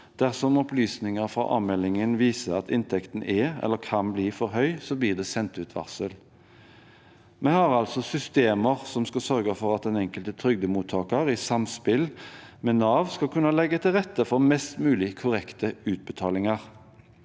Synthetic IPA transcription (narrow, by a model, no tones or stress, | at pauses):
d̪̥æʁsɔmɔplyːsnɪŋəʁfɾɑ̰ːʔɑ̰ːʋmɛlːɪŋənʋiːsəɑt̪ʰɪnt̪ʰɛkt̪n̩ɛɛ̰lːəkʰɑnbliːfɔʁɦœʏsɔbliːʁd̪ɛːsɛnt̪ʉːt̪ʰʋɑ̰ʁsəl | mɛhɑʁɑlsɔsʏst̪eːməʁsɔmskɑsœʁɡəfɔʁɑt̪̚d̪ɛnɛŋkəlt̪ət̪ʰɾʏɡd̪əmuːt̪ʰɑːkəʁɪsɑmspɪlmɛnɑːʋskɑkʰʉnːəlɛɡːət̪ʰɪlʁɛt̪ːəfɔʁmɛst̪mʉːlɪkʰʊʁɛkt̪əʉːt̪̚bɛt̪ʰɑːlɪŋəʁ